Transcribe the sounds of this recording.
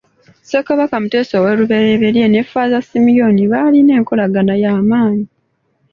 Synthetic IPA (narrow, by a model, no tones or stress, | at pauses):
sekaβakamute̞ːsowe̞ɾuβe̞ɾeβeɾjene̞fazasimijo̞niβaːline̞ːŋko̞laɡanajaːmaːɲi